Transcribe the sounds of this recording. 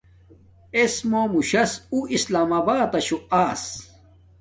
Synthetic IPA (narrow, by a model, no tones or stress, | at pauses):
esmoːmuɕɐsuislaːmaːbaːt̪ɐɕuaːs